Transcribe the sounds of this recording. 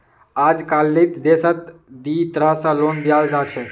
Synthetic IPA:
ad͡ʒkalːit̪d̪esət̪d̪it̪əɾəɦsə̃lond̪ijald͡ʒat͡ʃʰɛ

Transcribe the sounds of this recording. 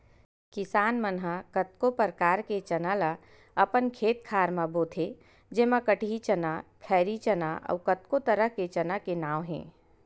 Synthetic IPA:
kɪsaːnmənɦəkət̪̚kopəɾkaːɾket͡ʃɐnala | ɐpənkʰeːt̪̚kʰaːɾmãboːt̪ʰe | d͡ʒemãkəʈʰiit͡ʃənakʰɛːɾit͡ʃənaʔə̰ːkət̪kot̪əɾəɦket͡ʃɐnakenaːwɦɛ̰̃ː

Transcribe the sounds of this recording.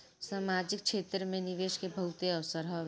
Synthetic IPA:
saːmaːd͡ʒɪk̚ʃʰeːt̪ɾəmẽnɪʋeːʃkebʱɐɦʊt̪eɐʋsəɾɦɔ

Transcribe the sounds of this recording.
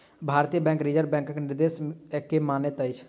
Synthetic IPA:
bʱaːɾt̪ijəbɛ̃ːŋkɾid͡ʒəɾbɛ̃ːŋkəknɪɾd̪eːsɛkːemaːnet̪əɪt͡ʃʰ

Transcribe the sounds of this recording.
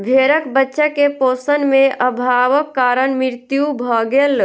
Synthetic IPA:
bʱeɾəkbətːʃəkeposənmeʔəbʱaʋəkːaɾənmiɾt̪jubʱɔɡel

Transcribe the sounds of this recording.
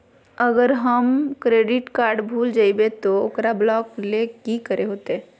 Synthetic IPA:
əɡəɾɦəmkɾeɖiʈkaɾɖbʱuld͡ʒaɪbet̪ɔokɾablɔklekikəɾʔeɦot̪e

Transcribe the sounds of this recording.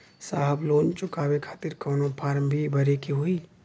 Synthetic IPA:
saːɦəbloːnt͡ʃʊkaːwekʰaːt̪ɪɾkɔːnopʰaːɾmbʱibʱɐɾekiɦoːi

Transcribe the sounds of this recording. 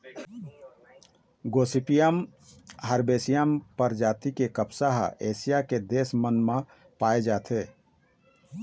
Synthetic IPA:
ɡoːsipijəmɦəɾbeːsijəmpəɾd͡ʒaːt̪ikekəpsaɦeːsijaked̪eːsmənmã | paːed͡ʒaːt̪ʰeː

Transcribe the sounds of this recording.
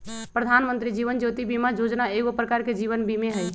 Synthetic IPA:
pɾəd̪ʱanmənt̪ɾid͡ʒiʋənd͡ʒot̪ibimad͡ʒod͡ʒnaeɡopɾəkaɾked͡ʒiβənbimeɦəj

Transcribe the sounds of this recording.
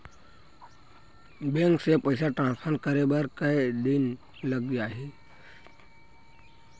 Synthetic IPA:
bẽŋksepəɪsaʈɾãːnspʰəɾnkəɾebəɾkəid̪iɪn | ləɡ̚d̪aɦi

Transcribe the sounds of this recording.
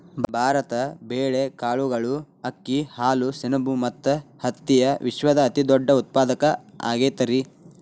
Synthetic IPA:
bbʱaːɾɐt̪ɐbeːɭekaːɭuɡɐɭu | ɐkːihaːlusinɐbumɐt̪ːɐhɐt̪ːijɐʋʔiʃʋɐd̪ɐːt̪id̪ɔɖːɐut̪̚paːd̪ɐkɐa̰ːɡeːt̪ɐɾi

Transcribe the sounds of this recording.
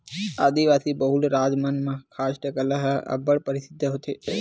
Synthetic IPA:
aːd̪iʋasibəɦulɾad͡ʒmanmãkʰasʈəkəlaɦə̰bəɭpəɾisɪd̪ʱːəɦot̪ʰe

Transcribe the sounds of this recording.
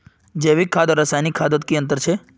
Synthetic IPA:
d͡ʒeʋikʰːad̪ɔɾɐsaːjnikʰːaːd̪ot̪kiə̃nt̪əɾt͡ʃʰe

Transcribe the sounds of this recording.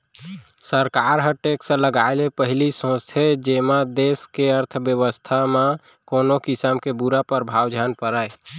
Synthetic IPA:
səɾkaɾɦəʈeksə̃ləɡaɪlepəɦilisõst̪ʰed͡ʒemãd̪eskeəɾt̪ʰbjəʋəst̪ʰamã | konokisəmkebuɾapəɾbʱawd͡ʒʱanpəɾə

